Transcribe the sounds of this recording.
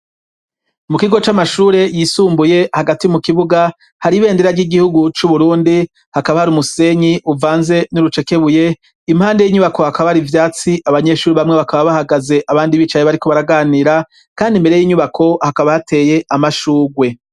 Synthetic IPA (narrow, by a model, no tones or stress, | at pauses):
mukiɡo̞t͡ʃamaʃuːɾe̞jiːsuːmbuje̞haɡatiumukiβuɡa | haɾiβe̞ːndeɾaɾɟiɡihuɡut͡ʃuβuɾuːndi | hakaβahaɾumuse̞ɲiʔuvaːnze̞nuɾut͡ʃe̞ke̞βuje̞ | imhaːnde̞jiːɲuβako̞hakaβahaɾivjaːt͡siʔaβaɲe̞ʃuːɾiβamŋeβakaβaβahaɡaze̞ʔaβaːndiβit͡ʃajeβaɾiko̞βaɾaɡaːniːɾa | kaːndimbe̞ɾe̞jiːɲuβakʰo̞hakaβahatʰe̞ːje̞ʔamaʃuːɡwe̞